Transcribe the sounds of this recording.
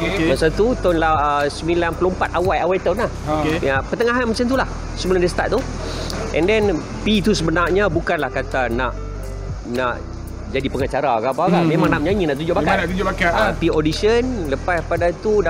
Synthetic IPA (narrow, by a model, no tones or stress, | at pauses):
masat̪ut̪ɔnlahəsəmilanpəlompat̪awajawajt̪awnlahjapərt̪əŋaɦanmat͡ʃant̪̬ulah | səmulandəst̪a̰t̪̚t̪u | ʔɛ̰̃ndɛn | pit̪usəbənarɲabukanlahkat̪anaʔ | naʔ | d͡ʒadipəŋat͡ʃaɾakapakamemãŋnaʔɲãɲĩnaʔt̪̬ud͡ʒʊʔbakaaud͡ʒbakaapiodisənləpaspadat̪ud